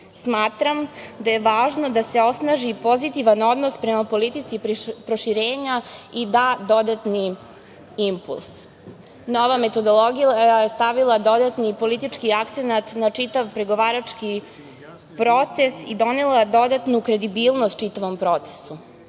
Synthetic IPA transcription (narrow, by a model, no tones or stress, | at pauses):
smaːt̪ɾamd̪aje̞ʋaːʒno̞d̪ase̞o̞snaʒipo̞zit̪iʋano̞d̪no̞spɾe̞mapo̞lit̪it̪sippɾoʃiɾeːɲaid̪aːd̪o̞d̪at̪ni | impṵlˠs | no̞ʋame̞t̪o̞d̪o̞lˠoɡijaajjest̪aʋilˠad̪o̞d̪at̪nipo̞lit̪it͡ʃkiakt̪senat̪nat͡ʂit̪aʋpɾe̞ɡo̞ʋaːɾat͡ʂki | pɾo̞t̪se̞sid̪o̞nelˠad̪o̞d̪at̪nukɾe̞d̪ibiːlˠnost̪̚t͡ʃit̪aʋo̞mpɾo̞t̪se̥su